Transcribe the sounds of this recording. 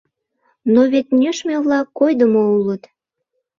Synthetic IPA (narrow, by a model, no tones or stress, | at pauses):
noβet̪nʲøʃmeβlɑkːojd̪əmoulət̪